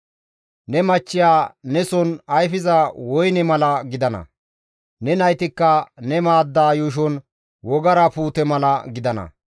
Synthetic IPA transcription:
nɛmɐt͡ʃːɪjaːnɛsɔnɐjfɪzɐwɔjnɛmɐlɐɡɪd̪ɐnɐ̰ | nɛnɐjt̪ɪkːɐnɛmaːd̪ːaːjuːʃ̬ɔn | wɔɡɐɾɐpuːt̪ɛmɐlɐɡɪd̪ɐnɐ̰

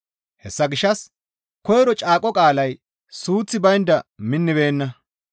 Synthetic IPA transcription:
hɛsːɐɡɪʃːɐs | kɔjɾɔt͡ʃʼaːkʼɔkʼaːlɐj | suːt͡sːɪbɐjnd̪ɐmɪnːɪβe̞ːnːɐ

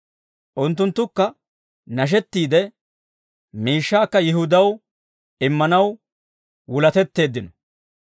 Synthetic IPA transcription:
ʔʊnt̪ːʊnt̪ːʊkːɐ | nɐʃ̬ɛt̪ːiːd̪ɛ | miːʃːaːkːɐjɪɦʊd̪ɐw | ɪmːɐnɐw | wʊlɐt̪ɛt̪ːe̞ːd̪ːɪnɔ

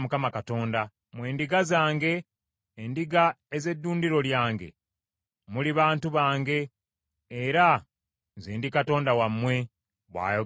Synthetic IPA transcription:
mukamakato̞ːnda | mwe̞ːndiɡazaːŋɡe̞ː | ndiɡa | eze̞dːuːndiɾo̞ljaːŋɡe̞̰ | muliβaːntuβaːŋɡe̞ː | ɾa | nziːndikato̞ːndawamːwe̞ | βwa̰ːjo

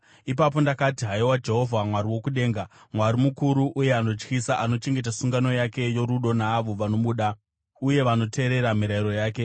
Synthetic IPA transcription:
ipap̬o̞ndakatiɦaiwad͡ʒe̞ɦo̞vʱamwaɾiwo̞kuɗe̞ːŋɡa | mwaɾimukuɾuʔuje̞ano̞t͡ʃkisaʔano̞t͡ʃe̞ŋɡe̞t̬asuŋɡano̞jake̞jo̞ɾuɗo̞naːʋo̞ʋano̞ɓuːɗa | uje̞ʋano̞tʰe̞ːɾe̞ɾamiɾaiɾo̞jaːke̞

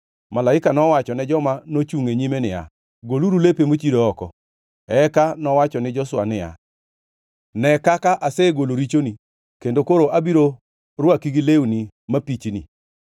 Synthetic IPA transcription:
malaɪkanɔwat͡ʃɔnɛd͡ʒɔmanot͡ʃuŋeɲimenɪja̰ | ɡoluɾulepemot͡ʃidoɔkɔ̰ | ɛkanɔwat͡ʃɔnɪd͡ʒɔswa̰nɪja̰ | nɛkakaʔaseɡoloɾit͡ʃoni | kendokoɾoʔabiɾo | ɾwakiɡileuni | mapit͡ʃnḭ

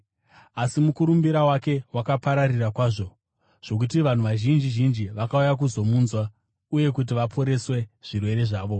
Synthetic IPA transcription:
asimukuɾumbiɾawake̞wakapaɾarirakwaːʐo̞ | ʐ̥o̞k̬utiʋan̤uʋaʒind͡ʒiʒind͡ʒiʋakaujak̬uzo̞muːnzwa | uje̞kut̬iʋapʰo̞ɾe̞swe̞ʐ̥irwe̞ɾe̞ʐaːʋo̞

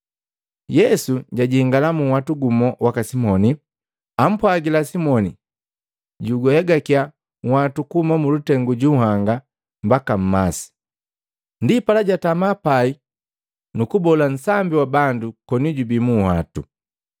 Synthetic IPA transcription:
jɛsuɟaɟihiŋɡalamuwatuɡumɔwakasimɔni | am̩pwaɡilasimɔnḭ | ɟuɡɔhɛɡakia | ŋhatukuhumamulutɛŋɡuɟuhaŋɡa | mbakam̩masi̥ | ndipalaɟatamapai | nukubɔlan̩sambiwabandukɔniɟubimuha̰tu

